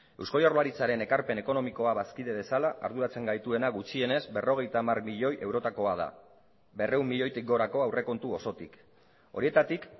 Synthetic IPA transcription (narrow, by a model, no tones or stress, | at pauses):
e̞wskojoɾlaɾit͡saɾe̞ne̞kaɾpe̞ne̞ko̞no̞miko̞aβaskiðe̞βe̞salaʔa̰ɾðuɾat͡se̞ŋɡajt̪ue̞naɣut͡ʃie̞ne̞zbe̞ro̞ɣe̞jt̪amarmiʎo̞jʔe̞wɾo̞t̪ako̞að̞a̰ | be̞re̞umːiʎo̞jt̪ik̚ɡo̞ɾako̞awre̞ko̞nt̪uo̞so̞t̪ik | o̞̰ɾie̞t̪at̪ik